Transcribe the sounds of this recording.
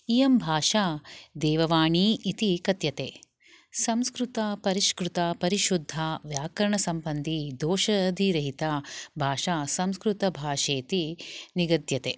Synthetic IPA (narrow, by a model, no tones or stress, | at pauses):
ijɐmbʱaːʃaːd̪ɛːʋɐʋaːɳiːt̪ikɐt̪jɐt̪eː | sɐmskɾut̪ɐpɐɾiʃkɾut̪ɐpɐɾiʃud̪ʱːaːʋjaːkɐɾɐɳɐsɐmbɐnd̪id̪ɔːʃɐd̪ʱiɾɐɦit̪aːbʱaːʃaːsɐmskɾut̪ɐbʱaːʃeːt̪iniɡɐd̪jɐt̪eː